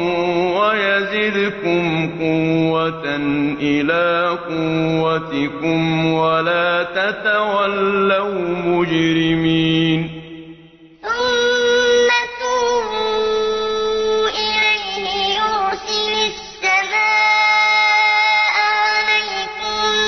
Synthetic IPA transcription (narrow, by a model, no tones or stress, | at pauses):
wajazɪd̪ʊkʊmqʊwːat̪aʔɪlaːqʊwːat̪ɪkʊmwalaːt̪at̪awalːawmʊd͡ʒɾɪmiːn | θʊmː | atumu | ʔɪlajnɪjʊɾsɪlʊsːamaː | ʔʕalajkʊm